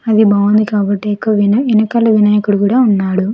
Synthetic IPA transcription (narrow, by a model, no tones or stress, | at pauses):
ɐd̪ibaːʋɐnd̪ikaːbɐʈːeːkːɐʋinɐinɐkɐlːɐʋinaːjɐkuɽukuːɽaːunːaːɽu